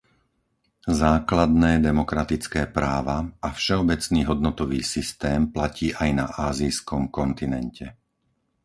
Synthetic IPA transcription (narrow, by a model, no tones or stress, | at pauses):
zaːklad̪nɛːd̪ɛmɔkɾat̪it͡skɛːpɾaːʋaafʃɛɔbɛt͡sniːɦɔd̪nɔt̪ɔʋiːsist̪ɛːmplaciːʔajnaʔaːziːskɔmkɔnt̪inɛncʰɛ